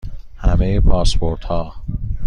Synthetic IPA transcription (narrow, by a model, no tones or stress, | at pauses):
hæmejepʰɒːspʰoɾt̪hɒː